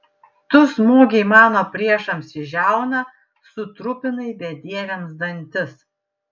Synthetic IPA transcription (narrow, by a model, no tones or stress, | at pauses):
t̪ʊsmoːɡʲɛɪmɑːnoːpʲɾʲiɛʃɐmsɪʒʲæˑʊnɐ | sʊt̪ɾʊpʲɪnɐɪbʲɛd̪ʲiɛʋʲɛmsd̪ɐnʲˑt̪ʲɪs